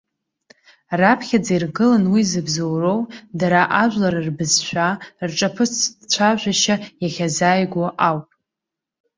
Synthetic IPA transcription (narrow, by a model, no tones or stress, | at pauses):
rapʰχʲad͡zajrɡɨlanwizɨbzowrowdaɾaʔaʒʷᶣlaɾarbɨzʃʷᶣarʈ͡ʂʼapʰɨt͡sʰt͡ɕʷʰaʒʷᶣaʃajaχʲazaːjɡʷoʔawpʼ